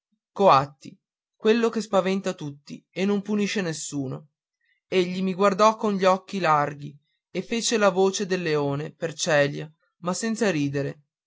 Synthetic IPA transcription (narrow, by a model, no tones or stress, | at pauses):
koat̪ːi | kwelːokespavɛnt̪at̪ut̪ːḭenːompuniʃːenesːuːno | eʎːimiɡward̪ɔkːonʎiɔkːilarɡi | efet͡ʃelavoːt͡ʃed̪elːeoːnepert͡ʃɛːlja | masːɛnt̪saɾiːd̪eɾe